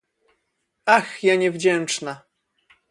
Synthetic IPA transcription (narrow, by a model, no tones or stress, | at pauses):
axjaɲɛvd͡ʑɛnt͡ʂna